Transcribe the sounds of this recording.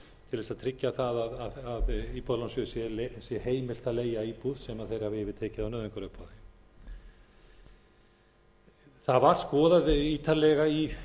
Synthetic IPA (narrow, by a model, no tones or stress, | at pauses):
t̪ʰɪlvɛsaðt̪ʰɾɪcːaθaðaðaðaðipɔðlɔnsjʏsjɛlsjɛheːjmɪl̥t̪aleːjaiːpuðsɛmaðθejɾ̥havɪɛvɪt̪ʰɛːcɪðawnœːðvɪŋkaɾœhpʰːaðɪ | θaðvaɾ̥skɔːðaðiːt̪alɛɣai